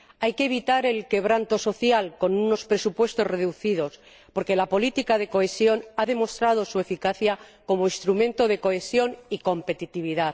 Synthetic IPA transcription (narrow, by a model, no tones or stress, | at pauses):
ajkeβ̞it̪aɾe̞lke̞β̞ɾant̪o̞so̞θjalko̞nuno̞spɾe̞supwe̞st̪o̞zre̞ðuθiðo̞s | po̞ɾke̞lapo̞lit̪ikaðe̞ko̞e̞sjo̞naðe̞mo̞st̪ɾað̞o̞sue̞fikaθjako̞moinst̪ɾumẽ̞nt̪o̞ð̞e̞ko̞e̞sjo̞niko̞mpe̞t̪it̪iβ̞iða